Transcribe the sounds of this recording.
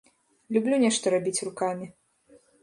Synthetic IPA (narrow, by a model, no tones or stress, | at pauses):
lʲublʲunʲɛʂt̪ɔɾabʲit͡sʲrukamʲi